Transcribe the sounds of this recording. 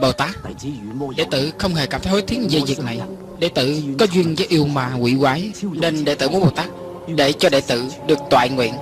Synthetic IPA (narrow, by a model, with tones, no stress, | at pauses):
ɓo˨˩wt̪aː˦˥k̚ɗḛ˧˩t̪ɨ̰˧˨xə˧wŋ͡mhe˨˩kaː˨˧˩mt̪ʰe˨˦jho˨˦jt̪ʰi˨˦ənzə˧jzi˨˩k̚na˨˩j | ɗḛ˧˨˩t̪ɨ̰˧˨kɔ˨˦zwi˧ənzəː˨˦ʔi˧əwmaː˧˩wḭ˧˨ɣwaː˨˦jne˧nɗḛ˧˩˨t̪ɨ̰˧˨mu˨˦˩ɓo˨˩t̪aː˦˥k̚ | ɗe˧˩t͡ɕɔ˧ɗḛ˧˨t̪ɨ̰˧˨ɗɨ˨˩ək̚t̪wa̰ː˧˨jŋwḭ˧˨ən